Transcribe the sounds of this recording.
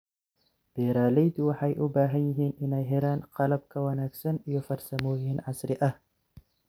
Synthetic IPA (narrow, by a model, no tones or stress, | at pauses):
b̥ɛːɾaːlɛjt̪ɪwɑħɑjʔʊbaːɦɐnjɪɦiːnʔɪnɛjɦɪɾaːnqɑlɐb̚kʰɐwɐnaːɡsɐnijɔfɐrsɐmɔːjɦiːnʕɑsɾɪʔɐh